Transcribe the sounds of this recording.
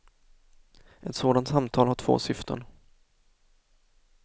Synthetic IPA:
ʔɛt̪soːd̪ant̪samt̪ʰɑːlhaʈʰv̥o̰ːsʏft̪ʰə̰ɳ

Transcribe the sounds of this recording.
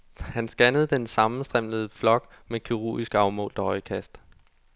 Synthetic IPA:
hænsɡ̥ænəð̩ˠd̥ensɑ̈mn̩sd̥ʁem̰ləð̩ˠəflɒ̽ɡ̥ | mekʰiʁo̰isɡ̥ɑ̈ʊmɔ̰̽ːld̥ɒhɒ̽ɪkʰæsd̥

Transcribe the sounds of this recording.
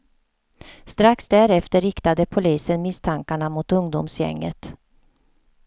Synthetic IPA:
st̪ɾaksd̪æɾɛft̪əɾɪkt̪ad̪əpʰʊliːsənmɪst̪ʰaŋkaɳamʊt̪ɵŋd̪ʊ̰msjɛ̰ŋːə̰t̪

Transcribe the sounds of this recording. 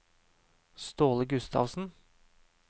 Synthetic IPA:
st̪oːləɡʉst̪ʰɑ̰ːʋsn̩

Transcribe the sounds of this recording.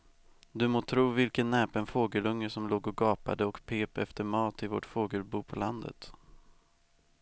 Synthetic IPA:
d̪ɵmoːt̪ʰɾuːvɪlkənːɛːpənfoːɡəlɵŋːəʂɔmloːɡɔɡɑːpa̰d̪əɔkpʰeːpɛft̪əɾmɑːt̪ɪvo̰ːʈfoːɡəlbuːpʰɔland̪ə̰t̪

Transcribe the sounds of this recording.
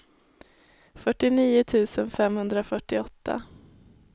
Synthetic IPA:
fœʈːɪniːʊt̪ʰʉ̟ːsənfɛmhɵnd̪ɾafœʈːɪɔt̪ʰːa̰

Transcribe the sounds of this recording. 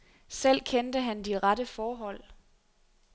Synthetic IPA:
sel̰kʰend̥əɦænd̥iʁɑdəfɒːɦɒ̽l̰

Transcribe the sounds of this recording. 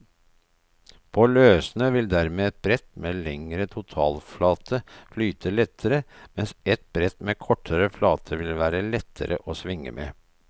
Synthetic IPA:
pʰoːløːsnəʋɪld̪æɾmeːɛt̪̚bɾɛt̪meːlɛŋɾət̪ʰʊt̪ʰɑ̰ːlflɑːt̪ʰəflyːt̪ʰəlɛt̪ʰːəɾəmɛnsɛt̪̚b̥ɾɛt̪meːkʰɔʈʰːəɾəflɑːt̪ʰəʋɪlʋæːɾəlɛt̪ʰːə̰ɾə̰ʔoːsʋɪŋːə̰mʔḛː

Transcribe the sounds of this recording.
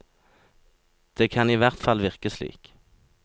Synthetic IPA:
d̪̥eːkʰɑniːʋæʁt̪fɑlʋɪʁkəslḭːk

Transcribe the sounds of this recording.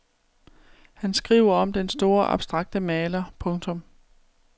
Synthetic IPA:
hænsɡ̥ʁiːʊ̰ɐɒ̽md̥ensd̥o̝ːɐʔɑ̈b̥sd̥ʁɑ̈ɡ̥̚d̥əmɛːlɐpʰɔ̽ŋt͡sʰɔ̽m

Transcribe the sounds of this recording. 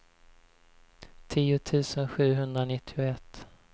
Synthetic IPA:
t̪ʰiːʊt̪ʰʉ̟ːsənɧʉ̟ːɦɵnd̪ɾanɪt̪ʰːɪʊɛt̪ː

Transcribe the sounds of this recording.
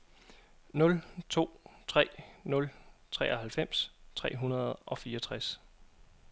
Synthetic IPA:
nɔ̽lt͡sʰo̝̰ːt͡sʰʁɛ̰ːnɔ̽lt͡sʰʁɛ̰ːʔɒhælfem̰st͡sʰʁɛ̰ːɦunɐð̞̩ˠʔɒ̽fiːɒt͡sʰʁas

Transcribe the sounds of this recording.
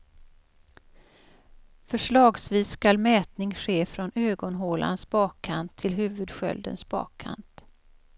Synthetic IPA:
fœʂɭɑːɡsviːskalmɛːt̪nɪŋɧeːfɾɔnøːɡɔnɦoːla̰nsbɑːkʰːant̪ʰːɪlɦʉ̟ːvɵd̪ɧœ̰ld̪ə̰nsbɑ̰ːkʰːa̰nt̪

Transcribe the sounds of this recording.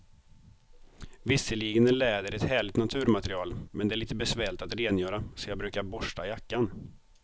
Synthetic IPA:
vɪsːəliːɡənəlɛːd̪əɾɛt̪hæːɭɪt̪nat̪ʰʉ̟ːɾmat̪ɾɪɑːlmɛnd̪ɛæɭiːt̪əbɛsvɛːɭɪt̪at̪ɾeːnjœːɾasɔjɑːɡ̚bɾʉːkaɾbɔʂʈajakːan

